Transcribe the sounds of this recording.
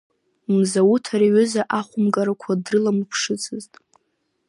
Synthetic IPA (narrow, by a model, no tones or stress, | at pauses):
mzawutʰaɾiɥʏzaʔaχʷʊmɡʼaɾakʷʰadrɨlamɨpʰʂɨt͡sʰʼɨztʼ